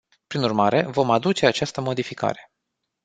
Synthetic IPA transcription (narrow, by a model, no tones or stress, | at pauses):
pɾinurmaɾe̞̰vo̞mad̪ut͡ʃe̞at͡ʃast̪əmo̞d̪ifika̰ɾe̞